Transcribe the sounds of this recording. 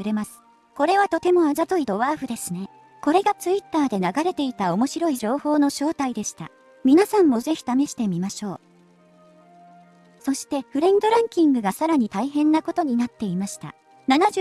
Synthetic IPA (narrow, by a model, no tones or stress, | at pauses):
ɾe̞masɨ̥ | ko̞ɾe̞βat̪o̞t̪e̞mo̞azat̪oid̪o̞βaːɸɯ̟d̪e̞sɨne̞ | ko̞ɾe̞ɡat͡sɨit̪ːaːd̪e̞naɡaɾe̞t̪e̞it̪ao̞mo̞ɕiɾo̞iʑo̞ːho̞ːno̞ɕo̞ːt̪aid̪e̞ɕi̥t̪a̰ | mʲinasãmːo̞ze̞çʲi̥t̪ame̞ɕi̥t̪e̞mʲimaɕo̞ː | so̞ɕi̥t̪e̞ɸɯ̟ɾẽ̞nd̪o̞ɾãŋkʲĩŋɡɯ̟ɡasaɾaɲ̟it̪aiɦẽ̞nːako̞t̪o̞ɲ̟inat̪ːe̞imaɕi̥t̪a̰ | nanaʑ